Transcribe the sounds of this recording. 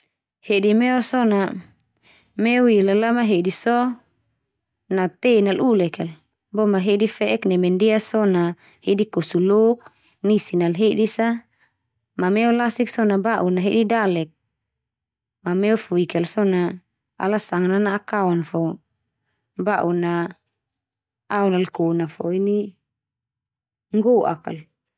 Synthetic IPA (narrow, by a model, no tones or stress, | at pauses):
hedimɛɔsɔna | mɛuilalamaɦedisɔ | nat̪enalulɛkɛl | bɔmaɦedifɛʔɛknɛmɛndiasɔna | hedikosulok̚ | nisinalɦedisa | mamɛɔlasiksɔnabaʔunaɦḛdidalɛk̚ | mamɛɔfuikɛlsɔna | a̰lasaŋananaʔakaɔnfɔ | baʔuna | aɔnalkonafɔini | ŋɡɔʔa̰ka̰l